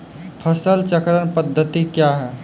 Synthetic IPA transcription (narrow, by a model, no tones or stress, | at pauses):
pʰəsəlt͡ʃəkɾənpəd̪ʱːət̪ikjaɦɛː